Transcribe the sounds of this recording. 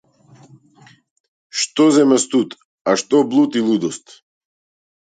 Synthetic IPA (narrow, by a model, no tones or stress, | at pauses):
ʃt̪ɔzɛmɛst̪ut̪ | aʃt̪ɔblˠut̪ilˠud̪ɔst̪